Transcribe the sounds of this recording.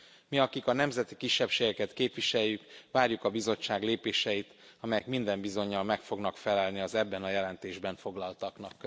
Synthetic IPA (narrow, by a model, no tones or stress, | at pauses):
miɒkikɒnɛmzɛt̪ikiʃːɛpʃeːɡɛkɛt̪keːpʋiʃɛjːykʋaːɾjukɒbizo̞t͡ʃːaːɡleːpeːʃɛjit̪ | ɒmɛjɛkmind̪ɛmbizo̞ɲːɒlmɛkfo̞ɡnɒkfɛlɛlniɒzɛbːɛnɒjɛlɛnt̪eːʒbɛɱfo̞ɡlɒlt̪ɒknɒkː